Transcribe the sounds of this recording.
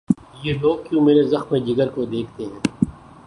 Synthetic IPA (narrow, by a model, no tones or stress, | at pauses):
jeːloːɡ̚kjũːmeːɾezɐxmẽd͡ʒɪɡəɾkod̪eːk̚ʰt̪eɦɛ̃ː